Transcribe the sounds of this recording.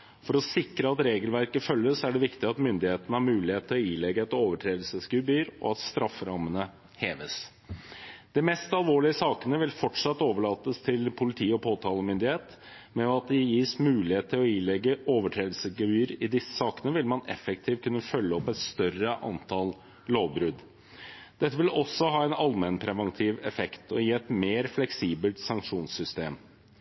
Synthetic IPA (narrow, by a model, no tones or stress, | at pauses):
fɔɾɔsɪkɾəɑt̪ɾeːɡəlʋæɾkəfœlːəsæɖɛʋɪkt̪ɪɑt̪mʏnd̪ɪheːt̪ənəhɑɾmʉːlɪheːt̪̚ʰːɪlɔiːlɛɡəɛt̪oːʋəʈʰɾeːd̪lsəsɡʉbyːɾɔ̰ɑt̪st̪ɾɑfːəɾɑmːənə | heːʋəs | d̪̥ɛmɛst̪ɑlʋoːɭɪəsɑːkənəʋɪlfɔʈʂɑt̪ːoːʋəɭɑːt̪ːəst̪ʰɪlpʰʊlɪt̪ʰiːəɔpʰoːt̪ʰɑːləmʏnd̪ɪheːt̪ | mɛɑt̪̚d̪ɪjiːsmʉːlɪheːt̪t̪ʰːɪlɔɪːlɛɡːəʔoːʋəʈʰɾeːd̪lsəɡəʋyːɾɪd̪ɪsːə̥sɑːkənəʋɪlmɑnɛ̰fɛk̚t̪ʰiːʋt̪̚kʰʉnːəfœlːəɔpɛt̪st̪œrəʔɑ̰nt̪ʰɑl | loːʋbɾʉd̪ | d̪̥ɛt̪ːəʋɪlɔsːɔhɑːɛɪnɑlmɛnpʰɾɛʋɑnt̪ʰiːʋɛfɛkt̪ʰɔjiːɛt̪meːɾflɛksiːbəlt̪sɑŋkʂuːnsʏst̪eːm